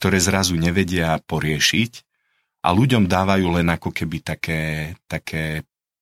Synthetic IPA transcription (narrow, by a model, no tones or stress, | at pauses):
k̚t̪ɔɾɛːzɾazuɲɛʋɛɟɪapɔɾɪɛʃic | ʔa̰luɟɔmd̪aːʋajuːlɛnakɔkɛbit̪akʰɛːt̪akʰɛː